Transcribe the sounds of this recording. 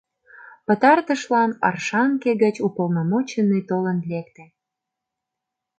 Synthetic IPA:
pə̆t̪ɑrt̪əʃlɑnɑ̰rʃɑŋkeɣət͡ɕupolnomot͡ɕənːet̪olənlekt̪ĕ

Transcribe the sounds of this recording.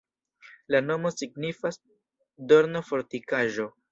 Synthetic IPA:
lano̞mo̞siɡnifas | do̞ɾnofo̞ɾtikaʒo̞

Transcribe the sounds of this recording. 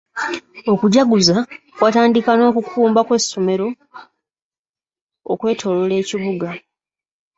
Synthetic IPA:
o̞kuɟaɡuza | kwataːndikano̞ːkukʰuːmbakwe̞sːo̞me̞ɾo̞ | kwe̞ːtʰo̞lole̞ːciβuɡa

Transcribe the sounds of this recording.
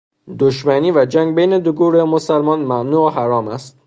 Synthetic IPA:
d̪oʃmæniːvæd͡ʒæŋɡ̚bejne̞d̪oɡuːɾemosælmɒːnmænuːɦæɾɒːmæst̪

